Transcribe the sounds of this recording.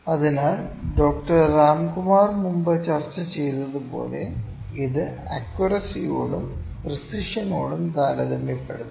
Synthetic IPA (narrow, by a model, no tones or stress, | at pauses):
ɐðinaːlɖo̞ːk̚ʈɐrraːmɡumaːrmumbɐt͡ɕɐrt͡ɕːɐt͡ɕe̞jnːɐðupo̞̰ːlḛ | iðɨɐ̰kwɐrɐsijoːɽum | risiʂɐnoːɽumt̪aːlɐðemjipːe̞̰ɽuð